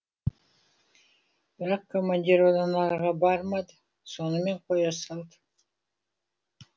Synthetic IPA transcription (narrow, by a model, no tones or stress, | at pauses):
b̥ɪɾoqkomanʲdʲiɾod̪ɑnɑɾʁɑbɑɾmɑd̪ | so̞nume̞ɴqʰojɑsɑlˠd̪